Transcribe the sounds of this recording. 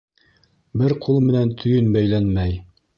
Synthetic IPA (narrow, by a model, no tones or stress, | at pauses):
bɘɾqʰulˠmɘ̆nænt̪ʰɵ̆jɵnbæjlænmæj